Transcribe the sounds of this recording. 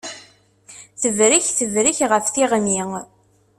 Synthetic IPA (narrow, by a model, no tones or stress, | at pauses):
θəðɾiçθəðɾiçʁəfθiʁni